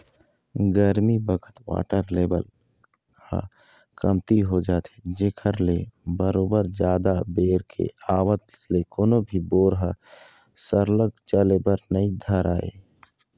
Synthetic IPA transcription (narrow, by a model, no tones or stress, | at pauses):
ɡəɾmibəkʰə̥t̪wa̰ːʈəɾleːbə̰l | hə̰ | kəmt̪iɦod͡ʒaːt̪e̥d͡ʒeːkʰəɾlebəɾoːbəɾd͡ʒjaːd̪abeːɾkʰḛaːwət̪ | lekoːnobʱiboːɾɦə | səɾləɡ̚t͡ʃəlebəɾnəid̪ʱəɾaːḛː